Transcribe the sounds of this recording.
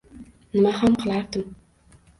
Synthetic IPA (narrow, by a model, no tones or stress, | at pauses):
nɨmahamqʰɨlˠɑɾd̪ɨm